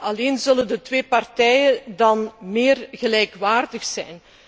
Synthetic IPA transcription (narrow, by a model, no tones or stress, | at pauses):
ɑleːnzɵləndətʋeːpɑrtɛjədɑnmeːrɣəlɛjkʋaːrdəxsɛjn